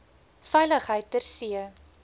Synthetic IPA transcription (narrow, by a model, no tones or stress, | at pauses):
fɛjləχɦəjtːərsiə